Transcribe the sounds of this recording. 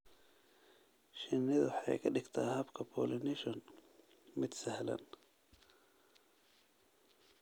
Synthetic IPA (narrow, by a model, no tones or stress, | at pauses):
ʃɪnːɪðwħɑ̰jkʰɐɖɪɡt̪ʰaːhɐbkʰɐpʰɔːlɪnɪʃɔn | mɪd̪sɐhlɐ̰n